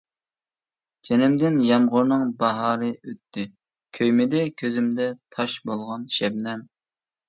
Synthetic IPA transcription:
d͡ʒenɪmd̪ɪnjɑmʁʊɾnɨŋbɑɦɑːɾɨøt̪ʰːɪ | kʲʰøjmɪd̪ɛkʲʰøzymd̪ɛt̪ʰɑʃbolˠʁɑnʃɛbnɛm

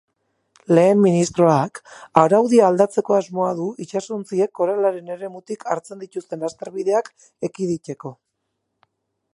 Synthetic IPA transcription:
le̞ːmːinist̪ɾo̞akaɾawðiaːld̪at͡se̞ko̞azmo̞aðuit͡ʃasont͡sie̞kːo̞ɾalaɾe̞ne̞ɾe̞mut̪ikʰaɾt͡se̞nd̪it̪ust̪e̞nast̪e̞ɾβiðe̞ak | e̞kið̞ice̞ko̞

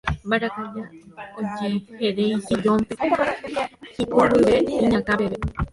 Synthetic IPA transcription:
baɾakajaod͡ʒeheɾẽĩsid͡ʒõmp̪e | hikoɾɨʋeĩɲãkãpeβe

